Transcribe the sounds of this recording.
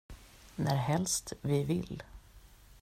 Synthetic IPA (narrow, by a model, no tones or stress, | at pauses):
næɾɦɛlst̪vɪvɪl